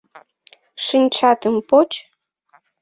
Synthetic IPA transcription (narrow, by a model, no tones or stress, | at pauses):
ʃɨnʲt͡ɕɑt̪əmpot͡ɕ